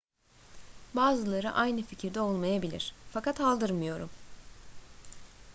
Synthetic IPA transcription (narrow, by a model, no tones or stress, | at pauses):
baːzɯlˠaɾɯ̰ʔajnɯficʰiɾd̪ɛo̞lˠmajabilʲḭɾ̥fakat̪alˠd̪ɯɾmɯjo̞ɾum